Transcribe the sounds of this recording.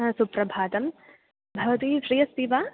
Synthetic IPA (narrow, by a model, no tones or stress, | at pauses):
supɾɐbʱaːd̪ɐm | bʱɐʋɐt̪iʃɾijɐst̪iʋaː